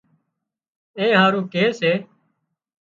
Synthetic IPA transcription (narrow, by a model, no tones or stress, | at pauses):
ẽːɦaːɾũːkeːseː